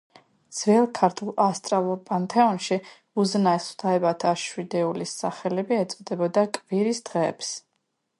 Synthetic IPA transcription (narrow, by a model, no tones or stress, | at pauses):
d̪z̥vɛlˠkʰaɾt̪ʰulˠast̪ʼɾalˠuɾpʼant̪ʰɛɔnʃi | uznaɛst̪ʰaɛbat̪ʰaʃwid̪ɛulisaχɛlɛbiɛt̪sʼɔd̪ɛbɔd̪akʼviɾisd̪̥ʁɛ̰ːps